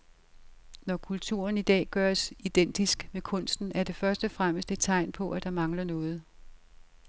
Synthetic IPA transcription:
nɒkʰult͡sʰṵːɐnid̥ɛ̰ːɡ̥ɶːsid̥en̰d̥isɡ̥mekʰɔ̽n̰sd̥n̩æɐd̥e̝fɶɐsd̥əfʁaməsd̥e̝d̥̚t͡sʰɑ̈ɪ̰npʰɒ̽ʔæd̥ɑ̈mɑ̈ŋlɐnɔ̽ːð̞̩ˠ

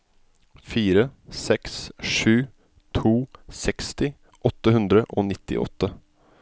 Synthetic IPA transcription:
fiːɾəsɛksʂʉː | t̪ʰuːsɛkst̪ɪ | ʔɔt̪ːəhʉnd̪ɾəʔoːnɪt̪ːɪ̰ʔɔ̰t̪ːə

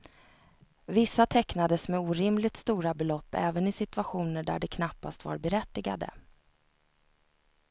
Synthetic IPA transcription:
vɪsːat̪ʰɛknad̪əsmɛuːɾɪmlɪt̪st̪uːɾabɛlɔpːɛːvənɪsɪt̪ɵaɧuːnəɖæ̰ɖɛkʰnapːa̰st̪va̰ɾbɛɾɛt̪ːɪɡa̰d̪ə̰

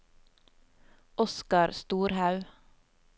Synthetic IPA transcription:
ʔɔskɑɾst̪uːɾhɑʉ

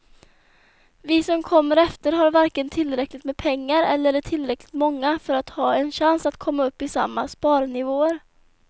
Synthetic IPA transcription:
vɪsɔmkʰɔmːəɾɛft̪əɾɦaɾvaɾkənt̪ʰɪlɾɛklɪt̪meːdpʰɛŋːaɾɛ̰lːəɾʈʰɪlːɾɛklɪt̪mɔŋːafœɾat̪hɑːɛnɕansat̪kʰɔmːaɵpːɪsa̰mːaspɑːɾnɪvoːəɾ

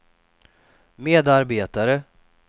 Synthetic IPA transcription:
meːd̪aɾbeːt̪aɾə

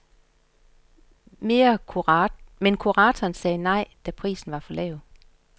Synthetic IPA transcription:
me̝ːɐ | menkʰuʁɑːt͡sʰɒːnsɛːnɑ̈ɪ̰d̥æpʰʁḭːsn̩ʋɑ̈fɒ̽lɛ̰ʊð̩ˠ

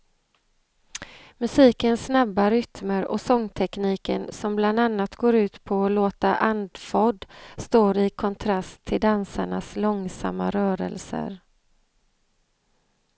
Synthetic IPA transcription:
mɵsiːkənsːnabːaɾʏt̪məɾɔsɔŋːt̪ʰɛkniːkə̰nsɔmbland̪anːat̪ɡoːɾʉ̟ːt̪pʰɔːloːt̪aʔand̪fɔɖ̪st̪oːɾɪkʰɔnt̪ʰɾast̪ʰːɪld̪ansaɳaslɔŋsa̰mːa̰ɾœːɾə̰lsə̰ɾ

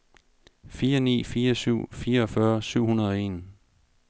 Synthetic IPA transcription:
fiːɐnḭːfiːɐsyʊ̰fiːɐɒfɶɐsyʊ̰hunɐðˠɒ̽e̝̰ːn

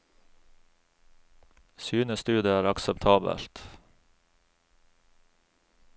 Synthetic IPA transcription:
syːnəst̪ʉːd̪əæːɾɑksəpt̪ʰɑːbə̰lt̪

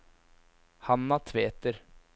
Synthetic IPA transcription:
hɑnːat̪ʰʋeːt̪əɾ

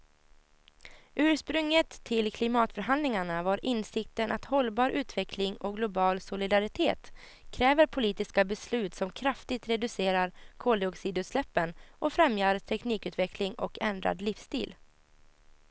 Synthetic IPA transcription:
ʔʉ̟ːʂpɾɵŋːət̪ʰːɪlkʰlɪmɑːt̪fœɾɦand̪lɪŋaɳavaɾʔɪnsɪk̚t̪ənʔat̪hɔlbɑːɾʉ̟ːt̪vɛkʰlɪŋɔɡlʊbɑːlsʊlɪd̪aɾɪt̪ʰeːt̪ | kʰɾɛːvəɾpʰʊliːt̪ɪskabɛslʉ̟ːt̪sɔmkʰɾaft̪ɪt̪ɾɛd̪ɵseːɾaɾkʰoːlɪɔksiːd̪ʉ̟ːt̪slɛpːənʔɔfɾɛmjaɾt̪ʰɛkniːkʉ̟ːt̪vɛklɪŋɔkɛnd̪ɾa̰d̪lɪfst̪ḭːl

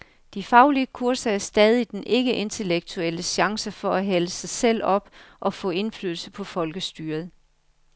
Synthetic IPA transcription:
d̥ifɑ̈ʊliəkʰuɐ̰sɐæɐsd̥ɛːð̞ˠid̥enʔe̝ɡ̥əʔe̝nt͡sʰe̝leɡ̥̚t͡sʰuel̰əɕɑ̈ŋsəfɒ̽æɦæləsɑ̈ɪsel̰ɒ̽b̥ʔɒ̽fɔ̰̽ːe̝nfly̰ðˠl̩səpʰɒ̽fɒ̽lɡ̥əsd̥yːɐð̩ˠ

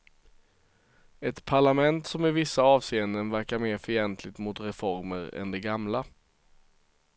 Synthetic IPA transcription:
ɛt̪pʰaɭamɛnt̪sɔmɪvɪsːaɑːvseːənd̪ənvæɾkaɾmeːɾfœjɛnt̪ʰlɪt̪mʊt̪ɾɛfɔɾməɾɛ̰nd̪ɛɡamla

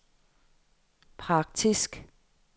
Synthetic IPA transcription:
pʰʁɑ̈ɡ̥̚d̥ʰisɡ̥

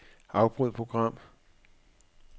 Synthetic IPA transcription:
ɑ̈ʊb̥ʁyð̰ˠpʰʁoɡ̥ʁɑ̈m̰

